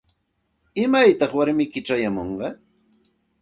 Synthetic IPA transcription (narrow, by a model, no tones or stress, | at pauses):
ɪmajt̪ɑχwaɾmɪkɪʈ͡ʂajamoɴɢɑ